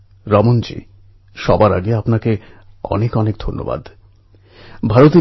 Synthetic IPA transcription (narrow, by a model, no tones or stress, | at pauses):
ɾɔmond͡ʑḭ | ʃɔbaɾaɡeapnakeɔ̰nekɔnekd̪ʱonːo̰ba̰d̪ | bʱaɾot̪e